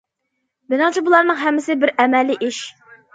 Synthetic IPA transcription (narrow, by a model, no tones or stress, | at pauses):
bɪnɑŋt͡ʃʰibulˠɑɾnɨŋɦɛmːɪsɪbɪɾɛmɛlːiʔiʃ